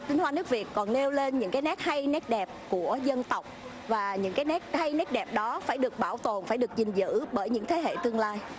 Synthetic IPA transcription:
t̪ï˧ŋ̟hwaː˧nɨ˦˥k̚vi˨˩ət̚kːɔ˨˩nle˧wle˧nɲɨ̰˧˥ŋkaː˨˦jnɛ˦˥t̚ha˧jnɛ˦˥t̚ɗɛ˨˩p̚ku˧˩əzə˧nt̪ə˨˩wk͡p̚ | vaː˨˩ɲɨ̰˧˥ŋkaː˨˦jnɛ˦˥t̚ha˧jnɛ˦˥t̚ɗɛ˨˩p̚ɗɔ˨˦faː˧˩jɗɨ˨˩ək̚ɓaː˧˩wt̪o˨˩nfaː˧˩jɗək̚zï˨˩ŋ̟zɨ̰˧˥ɓəː˧˩jɲɨ̰˧˥ŋt̪ʰe˨˦ɦḛ˧˨t̪ɨ˧əŋlaː˧j

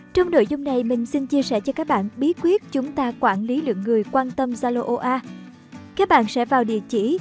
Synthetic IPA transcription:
t͡ɕɔ˧wŋ͡mno̰˧˨jzʊ˧ŋ͡mna˨˩jmï˨˩ŋ̟si˧nt͡ɕi˧əsɛ˧˩t͡ɕɔ˧kaː˦˥k̚ɓa̰ː˧˨nɓi˨˦˥ət̚kwi˦˥ət̚t͡ɕʊ˨˦ŋ͡mt̪aː˧kwaː˧˩nli˨˦lɨ̰˧˨əŋːɨ˨˩əjkwaː˧nt̪ə˧mzaː˧lo˧ʔo˧ʔaː˧ | kaː˦˥k̚ɓa̰ː˧˨nsɛ̰˧˥vaː˨˩wɗḭ˧˩ət͡ɕḭ˧˩

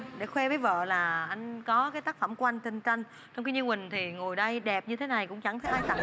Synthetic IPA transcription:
ɗḛ˧˩xwɛ˧vəː˨˦jvə̰ː˧˨laː˨˩ʔa˧jŋ̟kɔ˨˦kaː˨˦jt̪aː˦˥k̚fə˧˩mkwa˧jŋ̟t̪ï˧˩ŋ̟t͡ɕa˧jŋ̟ | t͡ɕɔ˧ŋ͡mki˧ɲɨ˧nwï˨˩ŋ̟t̪ʰi˨˩ŋo˨˩jɗə˧jɗɛ˨˩p̚ɲɨ˧t̪ʰe˨˦na˨˩jkʊ̰˧˥ŋ͡mt͡ɕa˧˩ŋt̪ʰə˨˦jʔaː˧jt̪a̰˧˨

